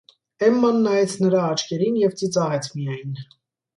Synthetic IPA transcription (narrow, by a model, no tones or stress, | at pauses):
ɛmːɑnːɑjɛt͡sʰnəɾɑːt͡ʃʰkɛɾinjɛvt͡sit͡sɑʁɛt͡sʰmijɑjn